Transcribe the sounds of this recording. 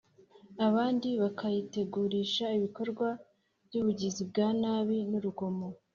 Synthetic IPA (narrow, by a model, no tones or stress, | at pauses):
aβaːndiβakajite̞ɡuɾiʃaiβiko̞ɾɡwa | bɟuːβuɟizibɡaːnaːβinuɾuɡo̞mo̞